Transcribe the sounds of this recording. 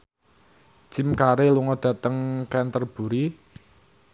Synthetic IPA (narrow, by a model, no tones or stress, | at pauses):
ʒ̥i̤mkaɾeluŋɔd̪̥ä̤t̪əŋkɛnt̪ərb̥ṳɾi